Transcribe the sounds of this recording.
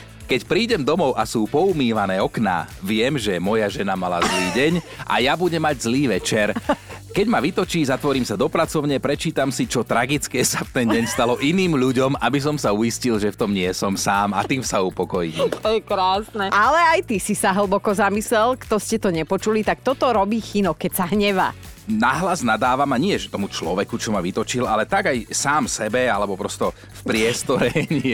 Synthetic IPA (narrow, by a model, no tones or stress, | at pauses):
kɛcpɾiːɟɛmd̪ɔmɔʊʔasuːpɔumiːʋanɛːɔkna̰ːʋɪɛmʒɛmɔjaʒɛnamala̰zliːɟɛɲa̰jabuɟɛmːaɟzliːʋɛt͡ʃɛɾkɛɟmaʋit̪ɔt͡ʃiːzat̪ʋɔɾiːmsad̪ɔpɾat͡sɔʊɲɛpɾɛt͡ʃiːt̪amsit͡ʃɔt̪ɾaɡit͡skɛːsaft̪ɛnɟɛɲst̪alɔʔiniːmʎuɟɔmabis̬ɔmsaujiscilʒɛft̪ɔmɲɪɛsɔmsaːma̰t̪iːmsaupɔkɔjiːmt̪ɔjɛkɾaːsnɛalɛajt̪isisaɦl̩bɔkɔzamislɛlkt̪ɔscɛt̪ɔɲɛpɔt͡ʃulit̪ak̚t̪ɔt̪ɔɾɔbiːxinɔkɛcsaɦɲɛʋa̰ː | naɦlaznad̪aːʋamaɲɪɛʒɛt̪ɔmut͡ʃlɔʋɛkut͡ʃɔmaʋit̪ɔt͡ʃilalɛt̪aɡajsaːmsɛbɛalɛbɔpɾɔst̪ɔ | fpɾɪɛst̪ɔɾɛɲ